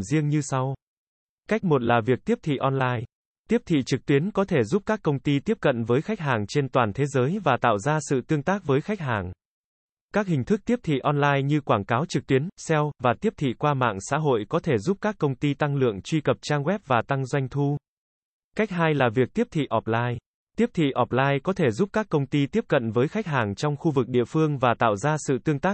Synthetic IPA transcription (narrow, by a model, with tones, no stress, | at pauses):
zi˧əŋɲɨ˧sa˧w | ka˦˥k̚mo˨˩t̚laː˨˩vi˨˩ək̚t̪i˦˥əp̚t̪ʰḭ˧˨ʔɔ˧nlaː˧j | t̪i˦˥əp̚t̪ʰḭ˧˨t͡ɕɨ˨˩k̚t̪wi˨˦ənkɔ˨˦t̪ʰe˧˩zu˦˥p̚kaː˦˥kːə˧wŋ͡mt̪i˧t̪i˦˥əp̚kə̰˧˨nvəː˨˦jxa˦˥jk̚ɦaː˨˩ŋt͡ɕe˧nt̪waː˨˩nt̪ʰe˨˦zəː˨˦jvaː˨˩t̪a̰ː˧˨wzaː˧sɨ̰˧˨t̪ɨ˧əŋt̪aː˦˥k̚vəː˨˦jxa˦˥jk̟̚haː˨˩ŋ | kaː˦˥k̚hï˨˩ŋ̟t̪ʰɨ˦˥k̚t̪i˦˥əp̚t̪ʰḭ˧˨ʔɔ˧nlaː˧jɲɨ˧kwaː˧˩nkaː˨˦wt͡ɕɨ˨˩k̚t̪i˨˦ənsɛ˧wvaː˨˩t̪i˦˥əp̚t̪ʰḭ˧˨kwaː˧ma̰ː˧˨ŋsa̰ː˧˥ɦo̰˧˨jkɔ˨˦t̪ʰe˧˩zu˦˥p̚kaː˦˥kːə˧wŋ͡mt̪i˧t̪a˧ŋlɨ̰˧˨əŋt͡ɕwi˧kə˨˩p̚t͡ɕaː˧ŋɣwɛ˦˥p̚vaː˨˩t̪a˧ŋzwa˧jŋ̟t̪ʰu˧ | ka˦˥k̟̚ɦaː˧jlaː˨˩vi˨˩ək̚t̪i˦˥əp̚t̪ʰḭ˧˨ʔɔ˨˩p̚laː˧j | t̪i˦˥əp̚t̪ʰḭ˧˨ʔɔ˨˩p̚laː˧jkɔ˨˦t̪ʰe˧˩zu˦˥p̚kaː˦˥k̚kə˧wŋ͡mt̪i˧t̪i˦˥əp̚kə̰˧˨nvəː˨˦jxa˦˥k̟̚ɦaː˨˩ŋt͡ɕɔ˧wŋ͡mxu˧vɨ˨˩k̚ɗḭ˧˨əfɨ˧əŋvaː˨˩t̪a̰ː˧˨wzaː˧sɨ̰˧˨t̪ɨ˧əŋt̪aː˦˥k̚